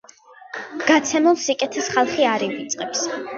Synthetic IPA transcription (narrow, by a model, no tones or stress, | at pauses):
ɡ̥at̪sʰɛmulˠsikʼɛt̪ʰɛsχalˠχiaɾivit̪sʼqʼɛps